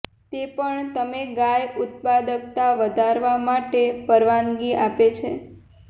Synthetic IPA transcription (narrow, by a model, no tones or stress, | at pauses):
t̪epəɳt̪əmeɡajʊt̪̚pad̪ək̚t̪aʋəd̪ʱaɾʋamaʈepəɾʋanɡiʔapet͡ʃʰḛ